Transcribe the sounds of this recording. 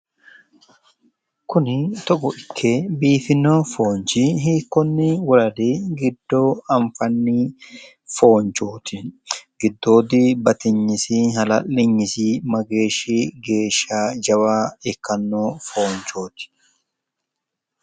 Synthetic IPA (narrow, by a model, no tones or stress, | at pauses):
kʊnɪt̪ɔɡɔʔɪkʰːebiːfɪnːoːfoːnt͡ʃɪɦiːkːɔnːɪwɔlɐd̪eːɡɪd̪ːoːɐɱfɐnːɪ | fo̞ːnt͡ʃoːt̪ɪɡɪd̪ːo̞ːd̪ɪbɐt̪ɪɲːɪsɪɦɐlɐlːɪɲːɪsɪmɐɡe̞ːʃɪɡe̞ːʃːaːd͡ʒɐwaːɛkːɐnːoːfo̞ːnt͡ʃo̞ːt̪ɪ̥